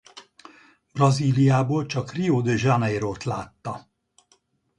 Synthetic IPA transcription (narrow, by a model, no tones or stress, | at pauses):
brɒziːlijaːboːlt͡ʃɒkrioːd̪øʒanɛjɾoːt̪laːt̪ːɒ